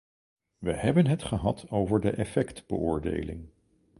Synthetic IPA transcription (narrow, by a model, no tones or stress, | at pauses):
ʋəhɛbənɦətχəɦɑtʰowvəɹdəʔɛfɛktb̥əʊːɹdḛjlɪ̰ŋ